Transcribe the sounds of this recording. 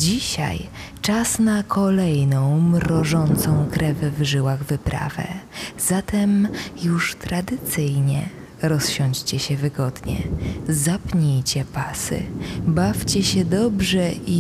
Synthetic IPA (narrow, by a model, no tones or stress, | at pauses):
d͡ʑiɕa̰jt͡ʂasnakʰɔlɛjnɔ̃w̃mɾɔʐɔnt̪sɔ̃w̃kɾɛvvʐɘwaɣvɘpɾʔa̰vɛ̰zat̪ɛmjuʂt̪ɾad̪ɘt̪sɘjɲɛ̰ | ɾɔsɕɔɲd͡ʑt͡ɕɛɕɛvɘɡɔd̪ɲɛ̰zapɲejt͡ɕɛpasɘ̰baft͡ɕɛɕɛd̪ɔbʐɛi